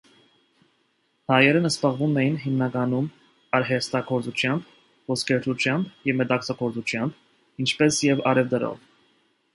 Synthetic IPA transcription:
hɑjɛɾənəsbɑʁvumɛjinɦimnɑkɑnum | ɑɾɦɛst̪ɑkʰɔɾt͡sut͡ʃʰjɑmb | vɔskʰɛɾɾʰut͡ʃʰjɑmbjɛvmɛt̪ɑkt͡sʰɑkʰɔɾt͡sut͡ʃʰjɑmb | int͡ʃʰpɛsjɛvɑ̰ɾɛvd̪əɾɔ̰v

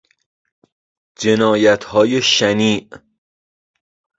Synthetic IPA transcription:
d͡ʒenɒːjæt̪ʰhɒːjeʃæniːʔ

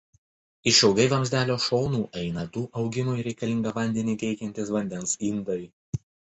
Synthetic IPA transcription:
ɪʃɛʊɡɐɪʋɐmʲzʲd̪ʲæːlʲoːʃɔːnuːʔɛɪnɐd̪uːʔɒʊɡʲɪmʊɪɾʲɛɪkɐlʲɪŋɡɐʋɐnʲd̪ʲɛnʲiːt̪ʲɛɪkʲɛnʲt̪ʲɪsʋɐnʲd̪ʲɛnsind̪ɐɪ

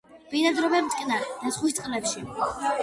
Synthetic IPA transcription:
b̥inad̪ɾɔbɛmt̪ʼkʼnaɾd̪asχwist̪ʼqʼlɛpʃi

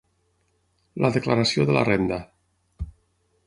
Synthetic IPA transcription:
lʔəðəklaɾasioðəla̰rend̪a

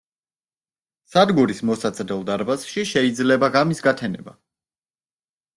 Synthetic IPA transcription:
sad̪ɡuɾismɔsat̪sʼɾɛlˠd̪aɾbasʃiʃɛid̪zlɛbaɡamisɡat̪ʰɛnɛ̰ba

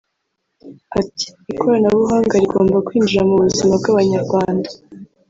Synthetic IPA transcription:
ati̥ikoɾanaβuɦaːŋɡaɾiɡo̰ːmbakwiːnd͡ʒiɾamuβuzimab̚ɡaβaɲaɾɡwaːndḁ

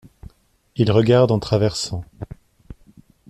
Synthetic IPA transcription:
ilʁəɡaʁd̪ɑ̃t̪χavɛʁsɑ̃

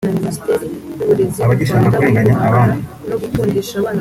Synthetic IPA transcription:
aβaɟiʃaŋakueːŋɡaɲaʔːβaːndi

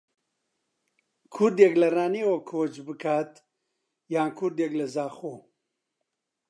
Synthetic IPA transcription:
kʰʊɾd̪jeklɐraːnieːwɐkʰoːt͡ʃbɨkʰaːt̪ | jaːnkʰʊɾd̪jeklɐzaːxoː

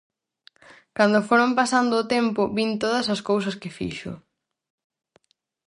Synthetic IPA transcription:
kand̪ʊfoɾompasand̪ʊːt̪ɛmpʊβint̪oðɐsɐskows̬ɐskɪfḭʃʊ̰

